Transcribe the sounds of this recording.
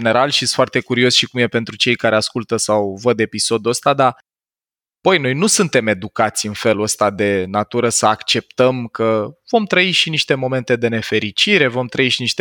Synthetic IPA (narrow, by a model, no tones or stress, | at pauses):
ne̞ɾalʃisfoart̪e̞kuɾio̞sʃikumje̞pe̞nt̪ɾut͡ʃe̞jkaɾe̞askult̪əsawvəd̪e̞piso̞d̪uəst̪ad̪a | pojno̞jnusunt̪e̞me̞d̪ukat̪sʲɨnfe̞luəst̪ad̪e̞nat̪uɾəsəakt͡ʃe̞p̚t̪əmkʰəv̥o̞mt̪ɾəiʃiniʃt̪e̞mo̞me̞nt̪e̞d̪e̞ne̞fe̞ɾit͡ʃiɾe̞vo̞mt̪ɾəiʃiniʃt̪e